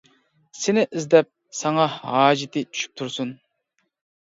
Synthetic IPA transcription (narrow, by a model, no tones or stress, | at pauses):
sɪnɪʔɪzd̪ɛp̚ | sɑŋɑɦɑːd͡ʒɪt̪ʰɪt͡ʃʰy̥ʃʰy̥p̚t̪ʰuɾsun